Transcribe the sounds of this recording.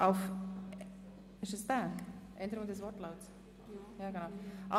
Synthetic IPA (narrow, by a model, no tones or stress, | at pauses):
ʔaʊf | ɪʃəsd̥aʔɛndəɾʊŋdəsvɔɾtlaʊts | jaːɡənaʊʔɑ